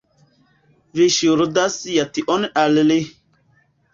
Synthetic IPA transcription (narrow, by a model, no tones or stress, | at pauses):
viʃuɾd̪asjat̪iʔɔnʔalli